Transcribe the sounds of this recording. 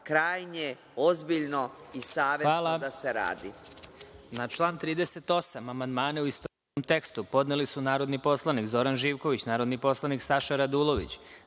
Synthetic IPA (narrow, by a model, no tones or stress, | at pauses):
kɾaːjne | ozbiʎno̞isaːʋeaːlˠad̪aseɾa̰ːd̪i | nat͡ʃlˠaːnt̪ɾiːd̪ese̞t̪o̞samamand̪maːneuist̪oisomt̪e̞kst̪upo̞d̪nelisunaːɾo̞d̪nipo̞slˠanikzo̞ɾanʒiːʋko̞ʋit͡ɕnaːɾod̪nipo̞slˠaniksaʃaɾad̪uːlˠo̞ʋḭt͡ɕ